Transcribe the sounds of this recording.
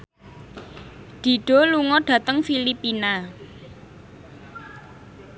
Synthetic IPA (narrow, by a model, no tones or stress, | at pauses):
d̪̥i̤ɖ̥o̤luŋɔɖ̥ä̤t̪əŋfilipina